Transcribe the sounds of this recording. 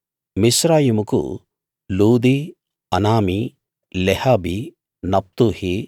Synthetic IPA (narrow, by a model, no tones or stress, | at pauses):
misɾaːjimukṵ | luːd̪i | ɐnaːmi | lehaːbi | nɐp̚t̪uhi